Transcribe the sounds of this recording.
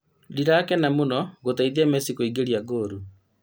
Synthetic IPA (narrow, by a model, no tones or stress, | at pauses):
diɾakɛnamonɔɣotaiðiamɛsikoiɡeɾiaɡoːɾu